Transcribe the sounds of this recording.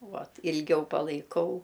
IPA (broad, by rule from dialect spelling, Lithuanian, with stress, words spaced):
ˈʋɐt ɪlʲˈɡʲɛʊ pɐlˠɐɪˈkɐʊ